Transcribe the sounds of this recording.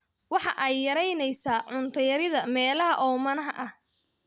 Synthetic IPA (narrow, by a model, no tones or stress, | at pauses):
wɑħɑʔɛjːɐɾɛjnɛjsaːʕʊnt̪ʰɐjɐɾɪðɐmɛːlɐɦɐʔɔːmɐnɐɦɐʔɐh